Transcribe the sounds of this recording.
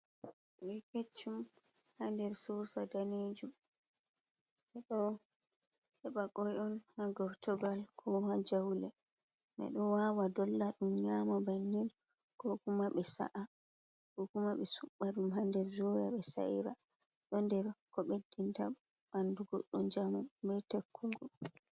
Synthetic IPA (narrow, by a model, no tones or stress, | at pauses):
ɓɛket͡ʃːumhandɛɾsɔsadaned͡ʒum | ɓɛɗɔ | hɛɓakɔjɔnhaɡɔɾtɔɡalkʰɔhad͡ʒawlɛ | ɓɛ̰ɗɔwawadɔlːaɗumɲamabanːin | kɔkumaɓɛsa̰ʔa | kɔkumaɓɛsuɓːaɗumhandɛɾd͡ʒɔja̰ɓɛsa̰ḭɾa | ɗɔndɛɾkɔɓedːinta | ɓanduɡɔɗːɔnd͡ʒamubɛtekʰːuɡɔ